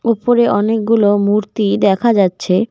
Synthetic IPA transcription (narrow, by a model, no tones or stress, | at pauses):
upoɾeʔɔnek̚ɡulomuɾt̪id̪ɛkʰad͡ʑatːɕʰe